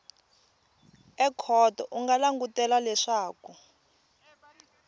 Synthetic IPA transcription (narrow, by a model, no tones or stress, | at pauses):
ɛkʰɔtɔʔuŋɡalaŋɡutɛlalɛʂaːku